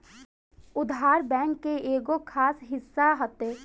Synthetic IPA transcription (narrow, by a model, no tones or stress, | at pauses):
ʊd̪ʱɦaːɾbɛ̃ːŋkːeeːɡokʰaːsɦɪsːaɦət̪eː